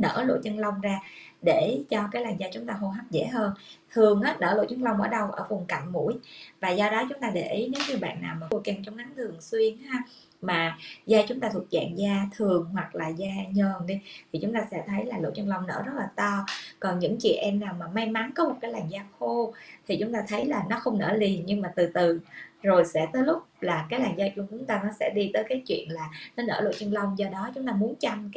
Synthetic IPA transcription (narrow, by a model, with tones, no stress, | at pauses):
nə̰ː˧˥lo̰˧˨t͡ɕə˧nlə˧wŋ͡mzaː˧ɗe˧˩t͡ɕɔ˧kaː˨˦jlaː˨˩ŋzaː˧t͡ɕʊ˨˦ŋ͡mt̪aː˧ɦo˧ɦaː˦˥p̚zḛ˧˥ɦəː˧nt̪ʰɨ˨˩əŋʔaː˨˦nə̰ː˧˩lo̰˧˨jt͡ɕə˧nlə˧wŋ͡mʔəː˧˩ɗə˧wʔə̰ː˧˩vʊ˨˩ŋ͡mka˧˨jŋ̟mṵ˧˥əjvaː˨˩zɔ˧ɗɔ˨˦t͡ɕʊ˨˦ŋ͡mt̪aː˧ɗe˧˩ʔi˨˦jne˨˦wɲɨ˧ɓa̰ː˧˨nːaː˨˩wmaː˨˩xo˧ka˧˩nt͡ɕɔ˧wŋ͡mna˨˦ŋt̪ʰɨ˨˩əŋswi˧ənhaː˧ | maː˨˩zaː˧t͡ɕʊ˨˦ŋ͡mt̪aː˧t̪ʰu˨˩ət̚za̰ː˧˨ŋzaː˧t̪ʰɨ˨˩əŋhwa˨˩k̚laː˨˩zaː˧ɲəː˨˩nɗi˧t̪ʰi˨˩t͡ɕʊ˨˦ŋ͡mt̪aː˧sɛ̰˧˥t̪ʰə˨˦jlaː˨˩lo̰˧˩˨t͡ɕə˧ŋlə˧wŋ͡mnə̰ː˧˩zə˦˥t̚laː˨˩t̪ɔ˧kɔ˨˩nɲɨ̰˧˥ŋt͡ɕḭ˧˨əʔɛ˧mnaː˨˩wmaː˨˩ma˧jma˨˦nkɔ˨˦mo˨˩t̚kaː˨˦jlaː˨˩ŋzaː˧xo˧t̪ʰi˨˩t͡ɕʊ˨˦ŋ͡mt̪aː˧t̪ʰə˨˦jlaː˨˩nɔ˨˦xə˧wŋ͡mnə̰ː˧˩li˨˩ənɲɨ˧ŋmaː˨˩t̪ɨ˨˩t̪ɨ˨˩zo˨˩jsɛ̰˧˥t̪əː˨˦jlʊ˦˥k͡p̚laː˨˩kaː˨˦jlaː˨˩ŋzaː˧t͡ɕʊ˧t͡ɕʊ˨˦ŋ͡mt̪aː˧nɔ˨˦sɛ̰˧˥ɗi˧t̪əː˨˦jkaː˨˦jt͡ɕwḭ˧˨ənlaː˨˩nɔ˨˦nə̰ː˧˩lo̰˧˩˨t͡ɕə˧nlə˧wŋ͡mzɔ˧ɗɔ˨˦t͡ɕʊ˨˦ŋ͡mt̪aː˧mu˨˦ənt͡ɕa˧m